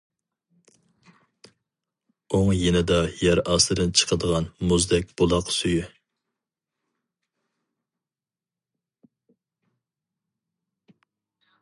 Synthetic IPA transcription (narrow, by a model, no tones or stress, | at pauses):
oŋjenɪd̪ɑjæɾɑslˠɨd̪ɨnt͡ʃʰə̥qʰəd̪əʁɑnmuzd̪ɛk̚ʲb̥olˠɑqsujy